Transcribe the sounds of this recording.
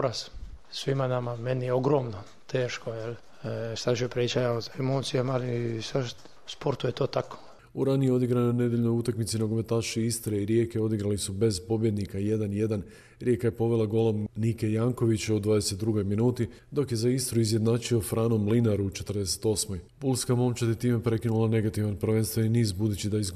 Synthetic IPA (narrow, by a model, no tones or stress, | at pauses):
ɾassʋimanamamenijeoɡɾoːmno | t̪ʰeːʃkojel | ʃt̪aʒiopɾet͡ʃajaozaemoːt̪sijamalisaʃ | spoɾt̪ujet̪oːt̪ako̥ | uɾanijeo̞d̪iɡɾanone̞d̪jeʎʲno̞jut̪akmit̪sinoɡomet̪aːʃiist̪ɾeiɾje̞ːkeo̞d̪iɡɾalisube̞zpo̞bje̞d̪nikaje̞d̪anje̞d̪an | ɾje̞kajepo̞ʋe̞lˠaɡo̞lo̞mnike̞jaːŋko̞ʋit͡ɕeod̪ʋaːd̪ese̞t̪̚d̪ɾuɡo̞jminuːt̪i | d̪o̞kje̞zaist̪ɾuizjed̪naːt͡ʃio̞fɾaːno̞mlinaɾut͡ʃe̞t̪ɾd̪e̞se̥t̪o̞ːsmo̞jbulskamo̞mt͡ɕat̪it̪iːmepɾe̞kinulane̞ɡat̪iʋanpɾʋe̞nst̪ʋainiːzbud̪ut͡ɕid̪aiz